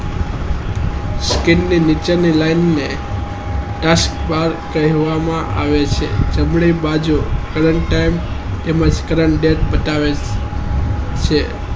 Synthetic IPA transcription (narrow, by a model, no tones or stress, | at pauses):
skɪnːinit͡ʃənilajnːe | ʈask̚baɾkəɦʋamãʔa̰ʋet͡ʃʰḛd͡ʒəmɭibad͡ʒukəɾəɳʈːajm | t̪emãd͡ʒkəɾəɳɖeʈ̚bət̪aʋe | t͡ʃʰe